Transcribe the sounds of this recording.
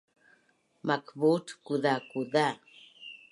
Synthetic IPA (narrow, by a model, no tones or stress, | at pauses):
makbutkuðakuða